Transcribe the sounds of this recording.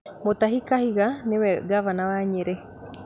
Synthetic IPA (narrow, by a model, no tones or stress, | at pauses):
motahikahiɣanewɛɡavanawaɲeɾe